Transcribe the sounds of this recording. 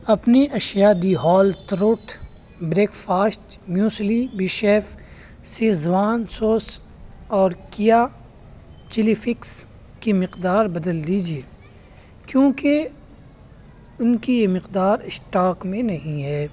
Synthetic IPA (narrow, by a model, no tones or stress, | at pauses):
ɐpniʔɐʃjad̪iɦɔːlt̪ɾoːʈbɾeːkfaːsʈmjuːslibɪʃeːf | sezʋaːnsoːs | ɔːɾkija | t͡ʃɪlifɪks | kimɪqd̪aːɾbɐd̪əld̪iːd͡ʒieː | kjõːke | ʊnkijemɪqd̪aːɾɪsʈaːkmẽnɐɦĩɦɛː